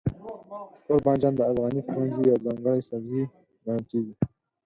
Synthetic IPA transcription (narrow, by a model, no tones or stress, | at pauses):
koɾbɑnd͡ʒɑnd̪əafɣɑnifɾwanzijɑzɑŋɡəɽesazi | ɡaɽəlkeɡi